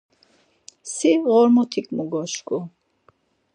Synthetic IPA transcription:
siʁɔɾmɔt̪ʰikʰʼmuɡɔʃkʼu

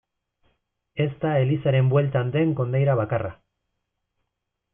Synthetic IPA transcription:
e̞st̪ae̞lisaɾe̞mbwe̞lt̪and̪e̞ŋko̞nd̪ejɾaβ̞akara

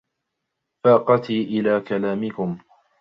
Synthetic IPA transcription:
faːqɑt̪iːʔɪlaːkalaːmɪkʊm

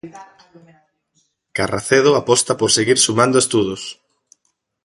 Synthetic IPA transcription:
kara̰θeð̞ʊapɔst̪ɐpoɾseɣiɾsumãnd̪oest̪uð̞ʊs

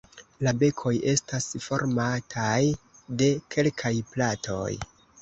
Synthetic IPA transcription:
labe̞kʰo̞je̞stasfo̞ɾmatʰaj | de̞kʰe̞lkʰajplatʰo̞̰j

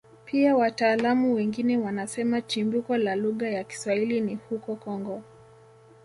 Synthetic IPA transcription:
pʰiawataːlamuwɛŋɡinɛwanasɛmat͡ʃimbukɔlaluɣajaki̥swahilinihukɔkɔŋɡɔ

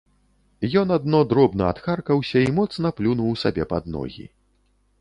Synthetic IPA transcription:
jɔnad̪nɔd̪ɾɔbnɐat̪xarkɐwsʲɐimɔt̪snɐplʲunuwsabʲɛpad̪nɔ̰ɣʲḭ

